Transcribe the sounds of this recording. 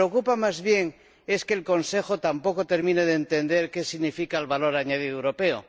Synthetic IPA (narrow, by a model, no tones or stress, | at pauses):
eokupamazβje̞ŋ | e̞ske̞ːlko̞nse̞xot̪ampo̞kot̪e̞ɾmĩneðent̪e̞nd̪e̞ɾke̞siɣnifikaelβalo̞ɾaɲaðiðewɾo̞pe̞o